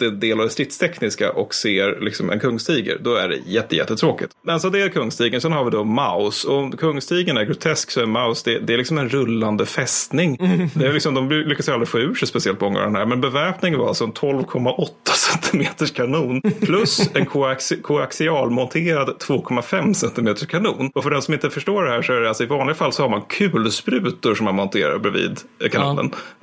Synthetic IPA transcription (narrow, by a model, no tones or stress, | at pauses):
d̪̥ɛd̪eːlavd̪ɛst̪ɾɪt̪st̪ʰɛknɪska̰ʔɔkseːɾlɪksɔmɛ̰nkʰɵŋːst̪iːɡə̰ɾd̪ɔæ̰ɖɛ̰jɛt̪ːəjɛ̰t̪ːət̪ʰɾoːkɪt̪mɛnsɔd̪ɛæɾkʰɵŋːst̪iːɡənsɛnhaɾvɪd̪ɔmaʊsɔɔmkʰɵŋːst̪iːɡənæɾɡɾʊt̪ʰɛsksɔæɾɛnmaʊsd̪ɛd̪ɛælɪksɔmɛnɾɵlːand̪əfɛst̪nɪŋd̪ɛæɾlɪksɔmd̪ɔmlʏkːasjald̪ɾɪfoːʉ̟ːʂɛjspɛsɪɛlt̪mɔŋːa̰d̪ɛnæ̰ːɾmɛnbɛvæɾpnɪŋənvaɾa̰lsɔnt̪ʰɔlvkʰɔmːaʔɔt̪ʰːḁsɛnt̪ʰɪmeːt̪əʂkʰanuːnpʰlɵsɛnkʰʊskʰʊaksɪɑːlmɔnt̪ʰeːɾad̪t̪ʰːv̥oːkʰɔmːafɛmsɛnt̪ɪmeːt̪əʂkʰanuːnɔfœɖɛnsɔmɪnt̪əfœʂʈoːɖɛhæːʂɔæɖɛalsɔɪvɑːnlɪɡafalːsɔhaɾmankʰʉ̟ːlspɾʉ̟ːt̪ʊɾʂɔmːanmɔnt̪ʰeːɾa̰ɾbɾɪvḭːd̪kʰanṵːnə̰n